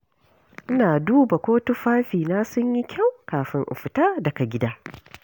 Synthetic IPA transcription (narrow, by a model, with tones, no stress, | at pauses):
ʔɪ˦naː˨duː˦ba˨kʷoː˦tu˦ɸaː˦ɸiː˨naː˦sʊ˦ɲji˦kʲʰa˦˨wkaː˨ɸɪ˦ŋʔɪ̰˨ɸɪ˨taː˦dɐ˨ka˨ɡʲɪ˦daː˦